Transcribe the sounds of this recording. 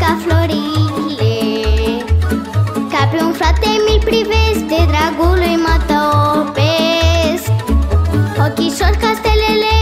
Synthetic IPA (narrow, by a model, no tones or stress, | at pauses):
kafloɾikle | kapiũnfɾat̪emilpɾivesd̪ed̪ɾaɡulujmat̪ɔpes | okiʃɔɾkast̪elele